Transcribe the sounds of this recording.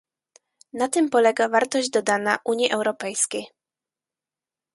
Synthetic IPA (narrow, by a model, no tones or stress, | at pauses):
nat̪ɘmpɔlɛɡavaɾt̪ɔʑd͡ʑd̪ɔd̪anaʔuɲjiʔɛwɾɔpɛjskʲej